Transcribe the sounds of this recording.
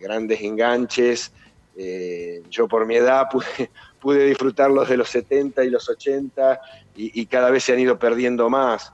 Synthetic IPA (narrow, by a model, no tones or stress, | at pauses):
ɣɾand̪ese̞ŋɡant͡ʃes | eʒo̞po̞ɾmie̞ðapuðepuðe̞ðisfɾut̪aɾlo̞zðe̞lo̞set̪ent̪ailo̞so̞t͡ʃent̪a | iʔːkaðaβ̞e̞seanið̞o̞peɾð̞je̞nd̪o̞mas